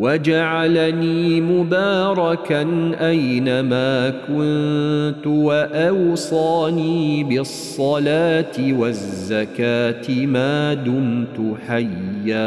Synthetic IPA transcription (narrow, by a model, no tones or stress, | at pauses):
wad͡ʒaʕalaniːmʊbaːɾˤɑkanʔajnamaːkʊnnt̪ʊwaʔɑwsˤɑːniːbɪsˤːɑlaːt̪ɪwazzːakaːt̪ɪmaːd̪ʊmt̪ʊħajːaː